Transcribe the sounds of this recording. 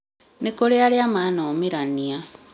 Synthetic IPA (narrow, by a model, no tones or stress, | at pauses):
nekoɾealjamaːnoːmiɾania